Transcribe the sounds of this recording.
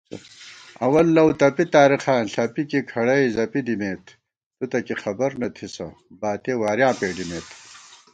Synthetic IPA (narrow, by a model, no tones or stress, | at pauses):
ɐwɐlːɐwt̪ɐpit̪aːɾiχaːnɬɐpikikʰɐɽɐjzɐpid̪imeːt̪ʰ | t̪ut̪ɐkixɐbɐɾnɐt̪ʰisɐ | baːt̪eːwaːɾjãːpeːɖimeːt̪ʰ